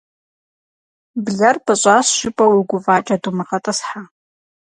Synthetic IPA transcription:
bɮɐrbaɕʷʼasʃɪpʼɐwiɡʷʊvaːt͡ʃʼɐdumɨqɐtʼɐsħa

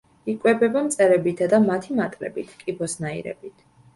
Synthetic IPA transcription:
ikʼwɛbɛbamt̪sʼɛɾɛbit̪ʰad̪amat̪ʰimat̪ʼlɛ̰bit̪ʰkʼibɔsnaḭɾɛ̰bit̪ʰ

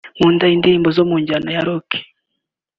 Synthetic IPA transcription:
muːndaindiːmbozomuɲɟanajaɾokʰi̥

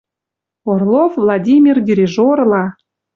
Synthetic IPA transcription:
orlˠofvlˠɑdʲimʲirdʲiɾʲiʒoɾlˠɑ

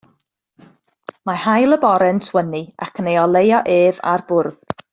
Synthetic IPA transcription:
mahajlˠəbɔɾɛntʰwənia̰kʰənejɔlˠejɔʔeːva̰rbʊrð

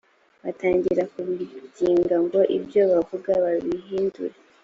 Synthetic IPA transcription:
βataːɲɟiɾakuβitiːŋɡaŋɡwoʔibjo̞βavuɡaβaβiɦiːndṵɾe

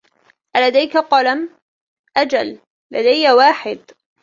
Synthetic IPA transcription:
ʔalad̪ajkaqɑlam | ʔad͡ʒalː | ad̪ajːawaːħɪd̪

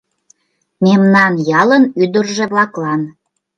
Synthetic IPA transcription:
memnɑnjɑlənyd̪ərʒĕβlɑklɑn

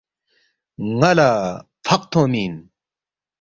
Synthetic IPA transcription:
ŋɐlapʰɐq̚t̪ʰõːmiːn

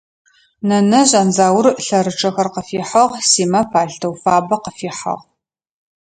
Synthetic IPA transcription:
nɐnɐʑʼɐanzaːwʊrɬɐɾɨʈ͡ʂʼʰɐxɐrqəfiːħɐʁsiːmɐpʰaːɬtʰɐwfaːbɐqəfiːħɐ̰ʁ

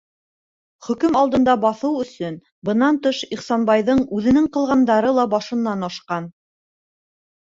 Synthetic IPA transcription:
χɵ̆kɵmɑlˠd̪ɤ̆nd̪ɑbɑθɤwɵ̆sɵn | bɤ̆nɑnt̪ɤʃiχsɑnbɑjðɤɴʉðɘ̆nɘŋqɤ̆lˠʁɑnd̪ɑɾɤlˠɑbɑʃɤ̆nːɑnɑʃqɑn

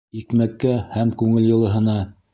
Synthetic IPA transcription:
ikmækːæhæmkʉŋɘljŏlˠɤ̆ɦɤ̆nɑ

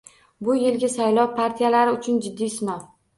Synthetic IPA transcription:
bʊjɪlɡʲasajlɒwpʰaɾt̪ʰijalaɾɪʊt͡ʃʰʊnd͡ʒɪd̪ːijsɪnɒ

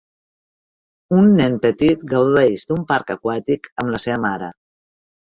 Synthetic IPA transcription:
unːɛnpət̪it̪ɡəwðoðeʒd̪umpaɾkəkwat̪ikəmləseβəmaɾə̰

